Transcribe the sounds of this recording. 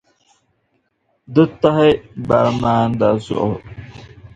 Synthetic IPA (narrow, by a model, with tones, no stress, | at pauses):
dɨ˦ta˦hɛ˦ba̰˨ɾmaː˦n˦da˨zʊ̰˦ʔʊ̰˨